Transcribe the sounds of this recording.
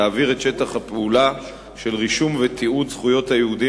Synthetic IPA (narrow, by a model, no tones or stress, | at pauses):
aːviʁetʃe̞t̪aχhapeula | ʃe̞lʁiʃumvet̪ʰiudz̥χujo̞t̪hajehud̪i